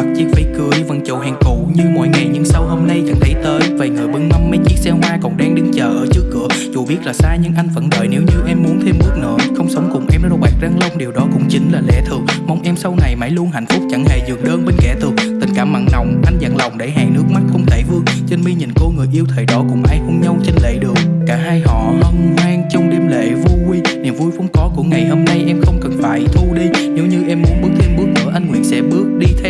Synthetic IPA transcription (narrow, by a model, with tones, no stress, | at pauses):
t̚t͡ɕi˨˦˥k̚faː˧˩jkɨ˧˩əjvə̰˨˩nt͡ɕo˨˩whɛ˨˩ŋkṵ˧˩ɲɨ˧mɔ̰˧˨jŋa˨˩jɲɨ̰˧˥ŋsə˧wɦo˧mna˧jt͡ɕa˧˩ŋt̪ʰə˨˦jt̪əː˨˦jvaː˨˩ŋəː˨˩jɓɨ˨˧˦ŋma˧wŋ͡mmːa˨˦jt͡ɕi˦˥ət̚sɛ˧wɦwaː˧kɔ˨˩nɗa˧ŋɗɨ˨˦ŋt͡ɕəː˨˩ʔəː˧˩t͡ɕɨ˦˥əkːɨ̰˧˩əzu˨˩ɓi˦˥ət̚laː˨˩saː˧ɲɨ̰˧˥ŋʔa˧jŋ̟və̰˧˥nɗəː˨˩jne˨˦wɲɨ˧ʔɛ˧mːu˨˦ənt̪ʰe˧mɗɨ˦˥k̚nə̰ː˧˥xə˧wŋ͡msə˨˦wŋ͡mkʊ˨˩ŋ͡mʔɛ˧mzɔ˧ɓaː˨˩k̚za˧ŋlə˧wŋ͡mɗi˨˩wɗɔ˨˦kʊ̰˧˥ŋ͡mt͡ɕï˨˦ŋ̟laː˨˩lɛ̰˧˩t̪ʰɨ˨˩ək̚ma˨˧˩wŋ͡mʔɛ˧msə˧wna˨˩jma˧˥˦jlu˧ənɦa˧˨jŋ̟fʊ˦˥k͡p̚t͡ɕa˧˩ŋhḛ˧˨zɨ̰˨˧˩əŋɗəː˧nɓe˧nkɛ̰˧˥t̪ʰɨ˨˩ək̚t̪ï˨˩ŋ̟kaː˧˩ma̰ː˧˨nna˨˩wŋ͡mʔa˧jŋ̟zə̰˧˨nla˨˩wŋ͡mɗe˧˩ɦa̰ː˧˩nɨ˦˥ək̚ma˦˥t̚xə˧wŋ͡mt̪ʰe˧˩vɨ˧əŋt͡ɕe˧nmi˧ɲḭ˨˩nko˧ŋɨ˨˩əjʔi˧əwt̪ʰe˧˨˩ɗɔ˨˦kʊ̰˧˥ŋ͡mʔaː˧jhu˧nɲə˧wt͡ɕe˧nlḛ˧˨ɗɨ˨˩ək̚kaː˧˩ɦaː˧jɦɔ̰˧˨hə˧nhwaː˧ŋt͡ɕʊ˧ŋ͡mɗe˧mlḛ˧˨vu˧kwi˧ni˨˩əmvu˧jvə̰˨˦ŋ͡mkɔ˨˦ku˧˩əŋa˨˩jho˧mna˧jʔɛ˧mxə˧wŋ͡mkə˨˩nfaː˨˦jt̪ʰu˧ɗi˧ɲe˨˦wɲɨ˧ʔɛ˧mːu˨˦mɓɨ˦˥k̚t̪ʰe˧mɓɨ˦˥ək̚mə̰ː˧˩˦ʔa˧jŋ̟ŋwḭ˧˩ənsɛ̰˧˥ɓɨ˦˥ək̚ɗi˧t̪ʰɛ˧